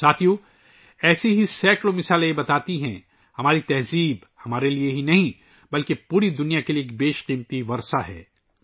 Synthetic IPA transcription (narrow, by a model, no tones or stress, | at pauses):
saːt̪ʰijõ | ɛːseɦisɛːklomɪsaːljebɐt̪aːt̪iɦɛ̃ | hɐmaːɾit̪ɛɦziːb | hɐmaːɾelieɦinɐɦĩ | bɐlkepuːɾid̪ʊnijakelieːk̚beːʃqiːmt̪iʋɐɾsaɦɛ̰ː